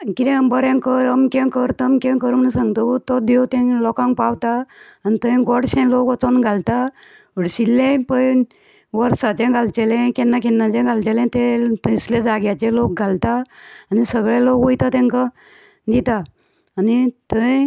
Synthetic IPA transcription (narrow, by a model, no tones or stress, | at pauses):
kit̪ɛ̃mbəɾɛ̃ŋkəɾəmkẽkəɾt̪əmkẽkəɾmnəsãŋɡt̪out̪ɔd̪et̪ɛ̃lɔkãŋkpawt̪aːnit̪əɛ̃ɡɔɽɕɛ̃lokɔt͡sɔnɡʱalt̪a | əɽɕilːẽpəjn | ʋəɾsat͡ɕẽɡʱalt͡ɕɛlɛ̃kɛnːakɛnːãt͡ɕɛ̃ɡʱalt͡ɕɛlɛ̃t̪ɛ̃t̪islẽd͡zaɡjat͡ɕelok̚ɡʱalt̪aːnisəɡɭelokʋojt̪at̪ɛ̃ŋka | d̪it̪aː | nit̪ə̃